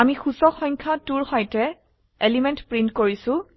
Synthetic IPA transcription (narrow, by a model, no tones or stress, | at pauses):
amixusɔxɔɲkʰatuɹxɔjtɛ | elimentpɹintkoɹisʊ̃